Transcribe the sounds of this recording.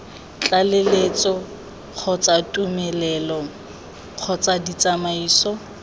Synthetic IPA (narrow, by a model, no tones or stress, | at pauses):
t͡ɬalelet͡sʼɔ | q͡χʰɔt͡satʼumɛlɛlɔ | q͡χʰɔt͡sadit͡sʼamaiːsɔ